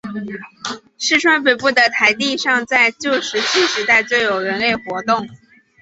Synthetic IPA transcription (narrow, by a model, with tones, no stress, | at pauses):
ʂɻ̩˥˧ʈ͡ʂʰwa˥npe˨˩ɪpu˥˩d̪ə˩t̪ʰa˧˥ɪt̪i˥˧ʂɑ˥˧ŋt͡sa˥˧ɪt͡ɕjo˥˩ʊʂɻ̩˧˥t͡ɕʰi˥˩ʂɻ̩˧˥t̪a˥˧ɪt͡swe˥˩ɪjo˨˩ʊɻə˧˥nle˥˩ɪxwɔ˧˥t̪ʊ˥˩ŋ